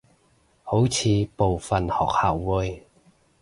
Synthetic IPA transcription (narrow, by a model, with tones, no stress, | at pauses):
ho˨˥wt͡sʰiː˨˧po˨wfɐ˨˩nhɔ̰ː˨k̚haː˨˩wːu˧j